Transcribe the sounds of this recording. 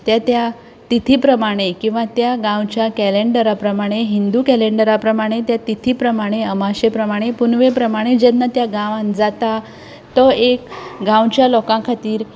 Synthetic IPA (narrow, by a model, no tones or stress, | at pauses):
t̪jat̪ja | t̪it̪ʰipɾəmaɽ̃ekĩw̃ʋat̪jaɡãwt͡ɕjakɛleɳɖəɾapɾəmaɽ̃eɦind̪ukɛleɳɖəɾapɾəmaɽ̃et̪jat̪it̪ʰipɾəmaɽ̃eəmaɕepɾəmaɽ̃epunʋepɾəmaɽ̃ed͡ʑenːət̪jaɡaʋãnd͡zat̪a | t̪ɔekɡãwt͡ɕjalɔkãkʰat̪iːɾ